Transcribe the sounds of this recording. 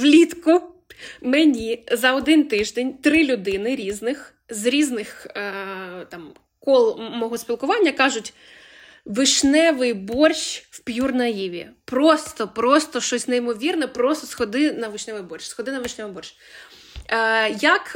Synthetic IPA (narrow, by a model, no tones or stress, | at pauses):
ʋlʲit̪kʊ | menʲizɐɔd̪ɪnt̪ɪʒd̪enʲt̪ɾɪlʲʊd̪ɪnɪɾʲiznɪx | zɾʲiznɪx | t̪ɑm | kɔlˠmɔɦɔsʲpʲilˠkʊʋɑnʲːɐkɑʒʊtʲ | ʋɪʃnɛʋɪjbɔrʃwpjurnɐjiʋʲiɐ̰pɾɔst̪ɔpɾɔst̪ɔʃt͡ʃɔsʲnɛjimɔʋʲirnɛpɾɔst̪ɔsxɔd̪ɪnɐʋɪʃnɛʋɪjbɔrʃʲsxɔd̪ɪnɐʋɪʃnɛʋɪjbɔrʃ | jɐk